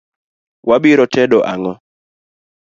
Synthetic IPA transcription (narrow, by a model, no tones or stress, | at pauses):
wʔabiɾɔtɛdɔʔaŋɔ